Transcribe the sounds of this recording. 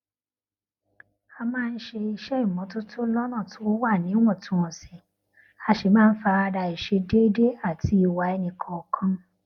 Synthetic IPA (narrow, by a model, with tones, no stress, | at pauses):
a˧mãː˦˧n̩˦ʃe˧i˧ʃɛ˦i˦˨mɔ̃˨˦to˦to˦lɔ˦nã˦˨tʰõ˨˦wa˦˨nĩ˨˦w̃ɔ̃˦˨tũ˨˦ɔ̃˨sɛ˨ | a˧ʃe˨mãː˦˧n̩˦fa˧a˧ɾa˧i˨ʃe˧de˦de˦a˦˨ti˨˦i˧˨wa˨ɛ˧nĩ˨kʰɔ̃˨ɔ˨kʰã˦